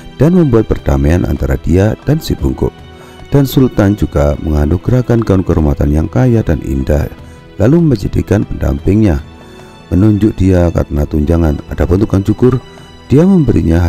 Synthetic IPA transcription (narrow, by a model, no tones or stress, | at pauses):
d̥anməmbuat̪̚pərd̥ameanʔa̰nt̪aɾad̥iad̥ansibuŋkʊ̰ʔ | d̥ansult̪and͡ʒuɡaməŋanuɡɾakanɡaʊnkəɾumat̪anjaŋkajadanʔḭnda̰h | laluməməd͡ʒadḭkanpənda̰mpɪŋɲa | mənuɲd͡ʒʊʔdiaka̰ɾənat̪uɲd͡ʒaŋanadabənt̪ukjaŋt͡ʃukʊr | d̥iaməmbəɾiɲaɦ